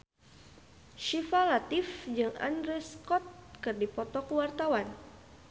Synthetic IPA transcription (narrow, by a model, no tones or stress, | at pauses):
ʃifalat̪ifd͡ʒɨŋa̰ndɾɛskɔt̪̚kɨrdipɔt̪ɔkəwart̪awan